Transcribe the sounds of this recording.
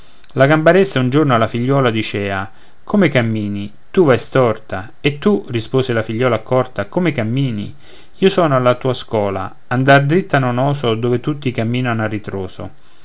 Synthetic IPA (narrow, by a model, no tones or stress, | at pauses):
laɡambaɾɛsːaund͡ʒornoalːafiʎːɔːlad̪it͡ʃɛːa | kʰomekamːiːni | t̪uvajst̪ɔrt̪a | et̪ːurispoːselafiʎːɔːlakɔrt̪akomekamːiːnḭ | iːosɔːnoalːat̪uːaskwɔːla̰ | and̪ard̪ɾit̪ːanonɔːsod̪oːvet̪ut̪ːikamːiːnanoarːit̪ɾoːso̰